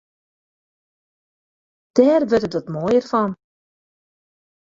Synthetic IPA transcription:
d̥ɛːrʋørtətʋɔtmojərfɑn

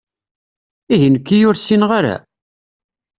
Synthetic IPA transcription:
iʝənkːijʊɾsinʁaɾæ̰

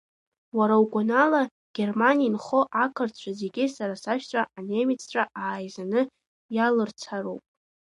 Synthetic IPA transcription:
waɾawkʷʼonala | ɡ̥ʲe̞rmaniinχoʔakʰɨrt͡ɕʷʰaze̞ɡʲɪsaɾasaʃᶣt͡ɕʷʼaanemit͡sʰt͡ʃʷʼaaːjzanɨ | jalɨrt͡sʰaro̰wpʼ

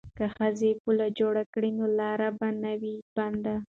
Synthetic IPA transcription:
kaxəzepulad͡ʒoɽakɽinolɑɾabanawib̥and̪a

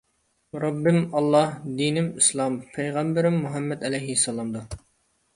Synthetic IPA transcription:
ɾɑbːɪmɑlˠːɑhd̪inɪmislˠɑmpʰɛjʁæmbɪɾɪmːuɦɛmːɛd̪ɛlɛjɦisɑlˠɑmd̪u

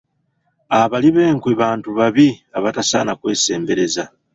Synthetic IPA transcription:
aβaliβe̞ːŋkweβaːntuβaβiaβatasa̰ːnakwe̞ːse̞ːmbe̞ɾe̞za

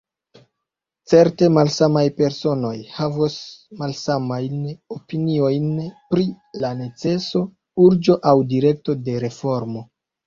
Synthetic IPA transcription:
t͡se̞ɾte̞malsamajpe̞ɾso̞no̞jhavosmalsamajnopinio̞jnpɾi | lane̞t͡se̞so̞ | uɾd͡ʒo̞ʔawdiɾe̞k̚to̞de̞ɾe̞fo̞ɾmo̞

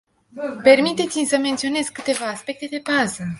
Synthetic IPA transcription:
pe̞rmit̪e̞t̪simʲsəme̞nt̪sio̞ne̞z̥ʲkɨt̪e̞vaːspe̞k̚t̪e̞d̪e̞bazə

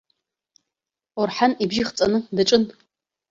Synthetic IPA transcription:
orħanibʒiχt͡sʼanɨdaʈ͡ʂʼɨn

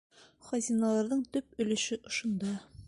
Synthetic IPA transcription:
χɒzʲinɑlˠɑɾðɤɴt̪ɵp̚ɵ̆lɘ̆ʃɘʔŏʃŏnd̪ɑ

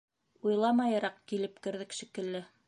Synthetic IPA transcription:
ujlˠɑmɑjɑɾɑqkilɘpkɘ̆ɾðɘkʃikɘ̆lːɘ

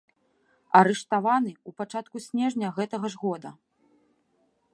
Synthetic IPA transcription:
ɐɾɛʂt̪avanɨupat͡ʂat̪̚kusʲnʲɛʐnʲɐɣɛt̪ɐɣɐʐɣɔd̪ɐ

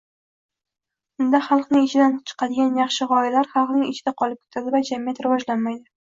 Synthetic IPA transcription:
ʊnd̪aχɑlˠqnɪŋɪt͡ʃʰɪd̪ant͡ʃʰɨ̥qɑd̪ɪɡʲanjɑχʃɪʁɒjalaɾχɑlˠqnɪŋɪt͡ʃʰɪd̪aqʰɒlˠɪp̚kʰʲe̥t̪ʰad̪ɪvad͡ʒamijat̪ɾɪvɒʒlanmajd̪ɪ

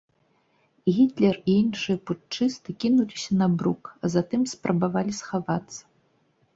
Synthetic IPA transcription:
ɣʲit̪lʲɛriinʂɨjɛput͡ʂɨst̪ɨkʲinulʲisʲɐnabɾukɐzat̪ɨmspɾʔɐbavalʲisxavat̪sːɐ̥

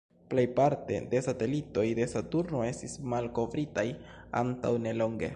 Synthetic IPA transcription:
ple̞jpaɾte̞̰de̞sate̞lito̞jde̞satuɾno̞e̞stismalko̞vɾitaja̰nta̰wne̞lo̞ŋɡe̞̰

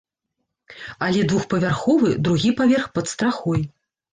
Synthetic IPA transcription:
alʲɛd̪vuxpɐvʲarxɔvɨd̪ɾuɣʲipavʲɛrxpɐt̪st̪ɾaxɔj

